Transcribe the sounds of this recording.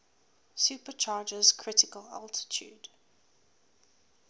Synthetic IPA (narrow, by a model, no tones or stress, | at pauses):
supət͡ʃʰaːd͡ʒəz̥kʰɹ̥ɪtɪkəla̰lˠtʰɪ̥tʰjṵːd̥